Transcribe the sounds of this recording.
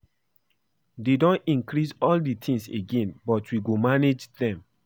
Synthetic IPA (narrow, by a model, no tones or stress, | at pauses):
dedɔ̃nĩŋkɹisɔlditʰĩŋseɡẽnbɔtwiɡomaned͡ʒdɛ̃m